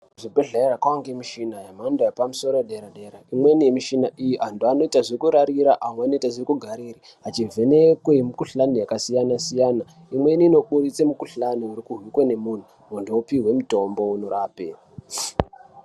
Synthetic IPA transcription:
ʐibʱeɮaeɾakwaŋɡemiʃinajamandajapamuso̞ɾojɗeɾaɗeɾaimwe̞nijemiʃinaʔijiantuano̞itaʐikuɾaɾiɾaʔamweano̞itaʐirikuɡʱaɾiːɾi | ɦat͡ʃivʱe̞ne̞kwemukuɬanujakasijanasijana | imwe̞niːno̞ɓuɾit͡semukuɬanuiɾikuɦwikwe̞ne̞mun̤u | ondoopiwe̞muto̞mbo̞unoɾaːpe̞̰

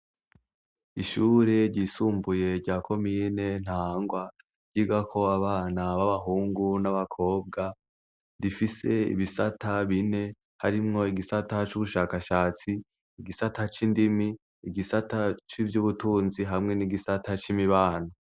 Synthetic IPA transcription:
iʃuːɾe̞ɾɟiːsuːmbuje̞ɾɟaːkʰo̞miːne̞n̥haːŋɡwa | ɾɟ̥iɡakʰo̞aβaːnaβaβaɦuːŋɡunaβakʰo̞ːb̚ɡa | difise̞ḭβisataβine̞ | haɾimŋo̞iɡisatat͡ʃuβuʃaːkaʃaːt͡siː | ɡisatʰat͡ʃindimiː | ɡisatat͡ʃivjuβutuːnziɦamŋeniɡisatat͡ʃimiβaːno

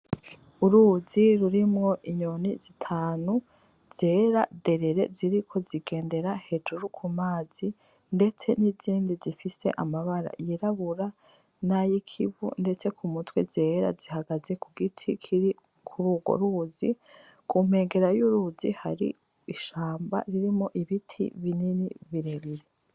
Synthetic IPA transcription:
uɾuziɾuɾimŋo̞ʔiɲonizitʰaːnu | z̥e̞ɾade̞ɾe̞ɾe̞̰ziɾikʰo̞ziɡe̞ːnde̞ɾahe̞d͡ʒuɾukʰumaːz̥i | nde̞t͡se̞niziːndizifise̞̰ʔamaβaɾa̰jiɾaβuɾa | najikʰiβṵnde̞t͡se̞kʰumutwezeːɾa̰ziɦaɡaze̞kuɡitʰikʰiɾi | kʰuɾuːɡo̞̰ɾuːzi | kʰum̥he̞ːŋɡe̞ɾajuɾuːzihaɾḭ | iʃaːmba̰ɾiɾimoʔiβitʰḭβininḭβiɾeβiɾe̞

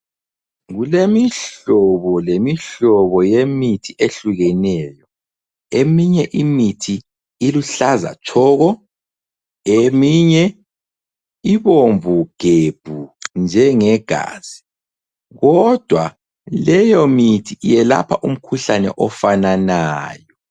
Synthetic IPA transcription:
ɣulemiɬɔβɔlemiɬɔβɔjemitʰiʔeɬuɣɛnɛjɔ | emiɲɛʔimitʰiː | luɬaza̰t͡ʃʰɔːɣɔ | emiɲɛ | iβoɱvʱuɡ̥ʱeb̥ʱund͡ʒʱɛŋɛɡ̥ʱa̰ːz̥i | ɣɔd̥ʱwa | lɛjɔmitʰijɛla̰pʰaʔum̩kʰuɬanɛ̰ʔɔfananaːjɔ

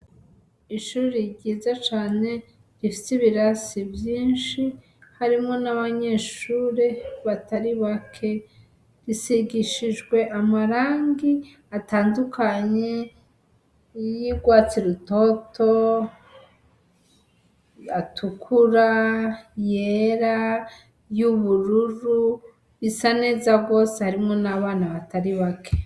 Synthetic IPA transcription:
iʃuːɾiɟiːzat͡ʃaːne̞ | ɾifisiβiɾasivjiːnʃi | haɾimŋo̞naβaɲe̞ʃuːɾeβataɾiβakʰe̞ | ɾisiɡiʃid͡ʒɡwe̞ʔamaɾaːŋɡi | ataːndukʰaɲe̞ | jiɡwaːt͡siɾuto̞to | atʰukʰuɾa | jeɾa | juβuɾuɾu | βisane̞ːzabɡo̞ːsehaɾimŋo̞naβaːnaβataɾiβakʰe

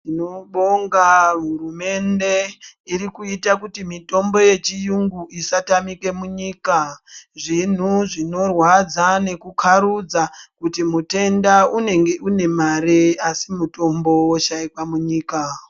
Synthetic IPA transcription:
inoɓo̞ŋɡaɦurume̞nde̞iɾikuitakutimito̞mbo̞je̞t͡ʃijuŋɡuisatamike̞muɲiːkaʐin̤uʐino̞rwad͡zane̞kukʰaɾud͡zakutimute̞ndaune̞ŋɡeʔune̞maɾeasimuto̞mbo̞woʃaikwamuɲiːka

